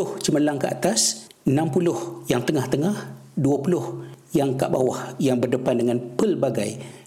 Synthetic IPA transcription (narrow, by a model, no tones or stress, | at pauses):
ʊht͡ʃəməlaŋkəʔa̰t̪as | ənãmpulʊhjaŋt̪əŋaht̪əŋahduapulʊhjaŋka̰ʔba̰wahjaŋbərdəpandəŋanpəlbaɡa̰j